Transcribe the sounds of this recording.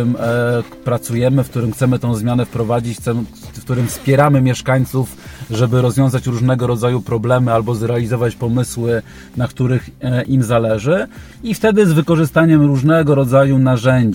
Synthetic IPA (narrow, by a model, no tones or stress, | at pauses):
mpɾat̪sujɛmɘfkt̪uɾɘmxt̪sɛmɘt̪ɔ̃w̃zmʲjanɛfpɾɔvad͡ʑit͡ɕt̪sɛfkt̪uɾɘmfspʲjɛɾamɘmʲjɛʂkaɲt̪sufʐɛbɘɾɔzvʲjɔ̃w̃zat͡ɕɾuʐnɛɡɔɾɔd̪zajupɾɔblɛmɘalbɔzɾɛalʲizɔvat͡ɕpɔmɘswɘ | nakt̪uɾɘxʔimzalɛʐɘ | ift̪ɛd̪ɘzvɘkɔʐɘst̪aɲɛmɾuʐnɛɡɔɾɔd̪zajunaʐɛɲd͡ʑ